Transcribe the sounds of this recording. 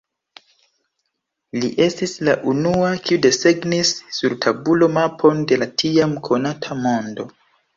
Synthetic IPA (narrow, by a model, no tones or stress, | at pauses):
liʔe̞stislaʔunuakiude̞se̞ɡnisːuɾtʰabulo̞mapʰo̞nde̞latʰiamkʰo̞natʰamo̞ndo̞